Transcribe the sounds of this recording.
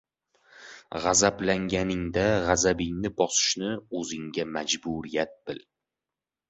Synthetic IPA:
ʁazablaŋɡʲanɪŋd̪aʁazabɪŋnɪbɒsɪ̥ʃnɪɵzɪŋɡʲamad͡ʒbʊɾijat̪̚b̥ɪl

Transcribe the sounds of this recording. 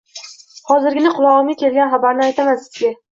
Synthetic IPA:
hɒzɪɾɡʲɪnɪqʰʊlˠɒʁɨmɡakʲe̞lɡʲanχabaɾnɪajt̪ʰamansɪ̥z̥ɡʲa

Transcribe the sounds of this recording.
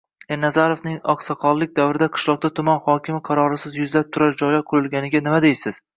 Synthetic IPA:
eɾnazaɾovnɪŋɒqsaqʰɒlˠlːɪk̚ʲd̪avɾɪd̪aqʰɨ̥ʃlˠɒq̚d̪at̪ʰʊmanχɒkʲʰɪmɪqʰɑɾɒɾɪsɪzjʊzlap̚t̪ʰʊɾaɾd͡ʒɒjlaqʰʊlɪlˠɡʲanɪɡʲanɪmad̪ejsɪz̥

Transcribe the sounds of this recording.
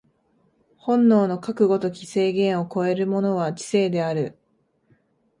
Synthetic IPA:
hõ̞nːo̞ːno̞kakɯ̟ɡo̞t̪o̞kʲi̥se̞ːɡẽ̞ɰ̃o̞ko̞e̞ɾɯ̟mo̞no̞β̞ad͡ʑi̥se̞ːd̪e̞aɾɯ̟

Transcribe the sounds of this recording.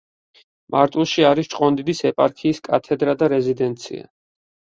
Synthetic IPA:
mʔaɾt̪ʼulˠʃiaɾist͡ʃʼqʼɔnd̪id̪isɛpʼaɾkʰiːskʼa̰t̪ʰɛd̪ɾad̪aɾɛzid̪ɛnt̪sʰḭa̰

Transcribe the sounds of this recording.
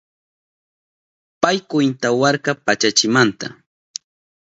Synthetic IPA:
pajkʊjnt̪awɑɾkɑpat͡ʃat͡ʃɪmant̪a

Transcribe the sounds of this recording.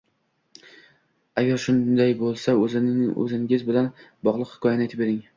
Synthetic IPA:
aɡʲaɾʃʊnd̪ajbolˠsaɵzɪnɪʔɵ̰zɪŋʲɪzbɪlanbɒʁlˠɨqhɪ̥kʰɒjanɪet̪ɪpbeɾɪŋ

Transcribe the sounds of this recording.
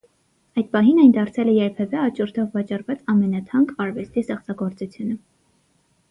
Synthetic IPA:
ɑjd̪̚pɑɦinɑjnd̪ɑɾt͡sʰɛlɛjɛɾpʰɛvɛɑt͡ʃɔɾt̪ʰɔvːɑt͡ʃɑrvɑt͡sɑmɛnɑt̪ʰɑŋkɑɾvɛst̪ist̪ɛχt͡sɑɡɔɾt͡sut͡sʰjunə

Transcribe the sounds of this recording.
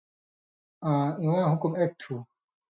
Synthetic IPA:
ãːĩwãːɦukumeːk̚t̪ʰːuː

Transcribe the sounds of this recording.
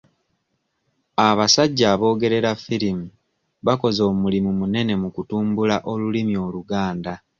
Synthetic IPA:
aβasaɟːaːβo̞ːɡe̞ɾe̞ɾafilimu | βako̞zo̞ːmulimumune̞ne̞mukutuːmbulaʔo̞lulimjo̞ːluɡaːnda

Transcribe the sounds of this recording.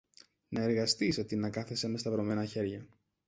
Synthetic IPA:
nɐe̞ɾɣɐst̪iset̪inɐkɐθese̞mest̪ɐvɾo̞me̞nɐçe̞ɾʝɐ

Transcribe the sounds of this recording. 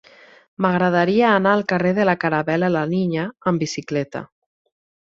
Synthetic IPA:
maɣɾəðaɾiaːnaːlˠkareðəlakaɾaβɛlalaniɲaːmbisiklɛt̪a̰

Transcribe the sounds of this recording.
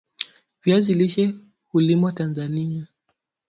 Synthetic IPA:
vjaziliʃɛ | hulimɔtanzania

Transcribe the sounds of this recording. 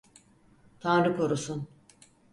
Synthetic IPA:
t̪ʰanɾɯkʰoɾusun

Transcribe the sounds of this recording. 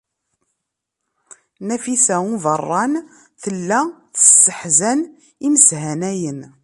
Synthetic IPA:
næfisæuvərˤːɑn | θəlːæθə̥sːəħzæn | iməshænæjən

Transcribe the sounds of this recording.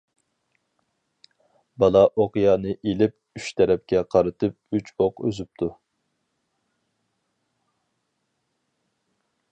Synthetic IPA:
bɑlˠɑʔoqjɑːnɨʔelɪp̚ | yʃt̪ʰɛɾɛp̚kʲɛqʰɑɾɨt̪ʰɨp̚yt͡ʃʰoqø̰zyp̚t̪ʰu

